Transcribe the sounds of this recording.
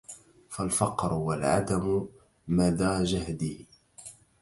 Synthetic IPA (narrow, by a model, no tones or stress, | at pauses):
falfɑqɾʊwalʕa̰d̪amʊ | maðaːd͡ʒahd̪iː